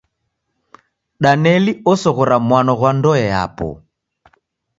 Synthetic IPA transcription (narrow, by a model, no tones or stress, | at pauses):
ɗanɛliɔsɔɣɔɾamwanɔɣwandɔɛa̰pɔ̰